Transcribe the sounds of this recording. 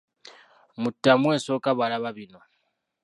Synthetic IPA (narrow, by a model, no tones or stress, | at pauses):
mutːamweːsokaβalaβaβino